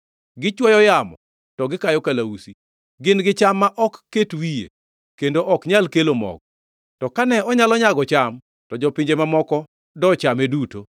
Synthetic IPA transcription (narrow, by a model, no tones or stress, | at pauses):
ɡɪt͡ʃwɔjɔjamɔ | tɔɡɪkajɔkalausi | ɡɪnɡɪt͡ʃamːaʔɔkːetwijḛ | kendoʔɔkɲalkelomɔ̰ɡ̚ | tɔkanɛɔɲalɔɲaɡɔt͡ʃam | tɔd͡ʒɔpɪɲd͡ʒemamɔkɔ | dɔt͡ʃameduto